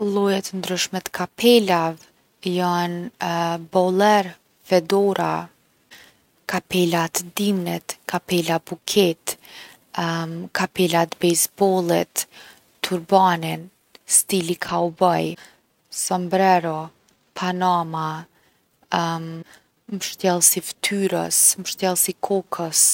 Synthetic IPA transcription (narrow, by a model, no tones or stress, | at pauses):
lˠɔjat̪ənd̪ɾyʃmɛt̪kʰapʰɛlav | jan | bɔlˠɛɾ | fɛd̪ɔɾa | kapɛlat̪d̪imnɛt̪kapɛlabukʰɛt̪ | kapɛlat̪bɛjzbɔlˠit̪ː | uɾbanin | st̪ilikʰaubaj | sɔmbɾɛɾɔ | pʰanama | mʃt̪jɛlˠsift̪ʰyɾə̰sməʃt̪jɛlˠsikʰɔkʰəs